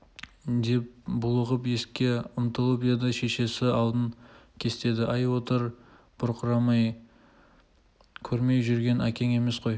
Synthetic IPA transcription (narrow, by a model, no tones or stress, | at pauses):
d̪e̞p̚bʊlˠəʁəpe̞skʲe̞ʊmt̪əlˠəped̪ɑʃe̞ʃe̞sɪɑlˠd̪əŋkʲʰe̞st̪e̞d̪ɪʔɑjwo̞t̪əɾ | b̥ʊɾqʰəɾɑmɑj | kʲʰɵɾme̞jʒʏɾɡʲe̞nækʲe̞ŋe̞me̞sqo̞j